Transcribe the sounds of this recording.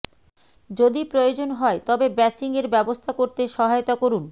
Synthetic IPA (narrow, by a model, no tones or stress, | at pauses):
d͡ʑod̪ipɾojod͡ʑonɦɔet̪ɔbebɛt͡ɕiŋeɾbɛbost̪ʰakoɾt̪eʃɔɦajot̪akoɾun